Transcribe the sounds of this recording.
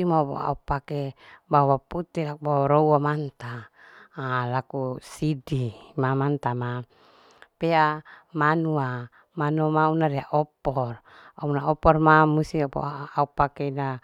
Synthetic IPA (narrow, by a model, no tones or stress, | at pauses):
imapo̰a̰upakebawaput̪ɛlakubawaɾowamant̪aː | lakusidimamant̪ama | peamanua | manumaunaɾiaʔɔpɔr | aunaɔpɔrmamusiɔpo̰aupakena